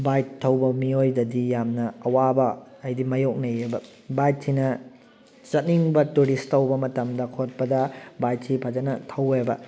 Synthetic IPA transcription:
bajtʰːɐwbɐmiojdɐdijamnɐɐwabɐɐjdimɐjok̚nɐjebɐ | bajt̚sʰinɐ | t͡ʃɐt̚niŋbɐtuɾistʰːɐwbɐmɐtɐmdɐkʰot̚pɐdɐbajtʰːipʰad͡ʒɐnɐtʰɐwebɐ̰

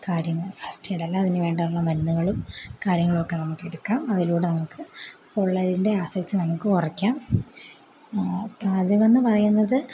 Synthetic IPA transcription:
kaːɾjɐŋːɐɭfɐsʈɨeɽɐlːɐːðinɨʋe̞ːɳɖɐuɭːɐmɐnnːuɣɐɭumkaːɾjɐŋːɐɭokːe̞nɐmukːeɽukːaːmɐðiluːɽenɐmukːɨ | koɭːɐðinde̞aːsɐkt̪ːɨnɐmukːɨkurɐkʲːaːm | baːd͡ʑɐʋenːɨpɐrɐjunːɐðɨ

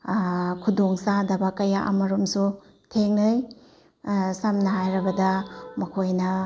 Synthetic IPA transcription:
kʰudoŋsadɐbɐkɐjaʔɐ̰mɐɾumsu | tʰeŋnɯj | samnɐɦajɾɐbɐdɐmɐkʰojnɐ

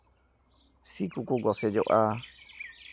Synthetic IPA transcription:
sikukuɡɔsɛd͡ʒɔʔa

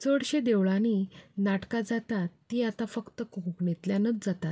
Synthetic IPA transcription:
t͡səɽɕed̪eʋɭãninaʈkad͡zat̪at̪ːiːat̪afəkt̪əkukukɳet̪ljanət͡sd͡zat̪at̪̚

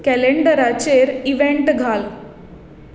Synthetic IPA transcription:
kɛleɳɖəɾat͡ɕeɾiʋeɳʈɡʱal

